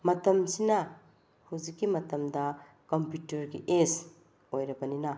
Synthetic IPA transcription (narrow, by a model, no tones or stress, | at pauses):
mɐtɐmsinɐ | huwzikːimɐtɐmdɐ | kɐmpjutɐɾɡiʔes | ojɾɐbɐninɐ